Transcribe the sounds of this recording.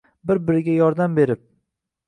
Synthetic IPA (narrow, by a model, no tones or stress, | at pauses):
bɪɾbɪɾɪɡʲajɒɾd̪ambe̞ɾɪp̚